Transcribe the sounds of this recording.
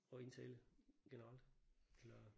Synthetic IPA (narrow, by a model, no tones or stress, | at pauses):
ɒ̽e̝nt͡sʰeləɡ̥enəʁɑl̰d̥elɐ